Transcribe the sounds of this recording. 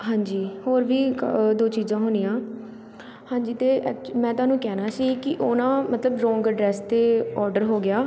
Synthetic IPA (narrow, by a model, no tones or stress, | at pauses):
ɦãːɲd͡ʒiːhoːɾʋiːd̪oːt͡ʃiːzãːɦʊːnijãː | hãːɲd͡ʒiːt̪eːɛːk̚mɛ̃ːt̪ʊaːnũːkɛːnaːsiːkɪʔʊnãːmət̪ləbɾɔ̃ːŋɡəɖɾɛːst̪eːɔːɾɖəɾɦoːɡɪaː